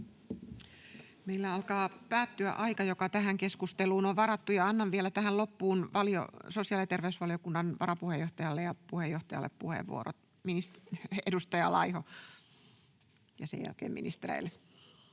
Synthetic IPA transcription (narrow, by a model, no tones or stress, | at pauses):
meilːæɑlkɑːpæːt̪ːyæ̰ʔɑikɑjokɑt̪æɦæŋkeskust̪eluːnoʋʋɑrɑt̪ːujɑɑnːɑʋʋielæt̪æhællopːuːnʋɑlio̰sosijɑlit̪erʋeysʋɑlijokunːɑnʋɑɾɑpuhejoht̪ɑjɑlːejɑpuhejːoht̪ɑjɑ̰lːḛppuhḛʋʋṵo̰ɾo̰t̪ | minist̪edust̪ɑjɑlɑiho | jɑsḛjæ̰lkḛːmḭnist̪erḛilːe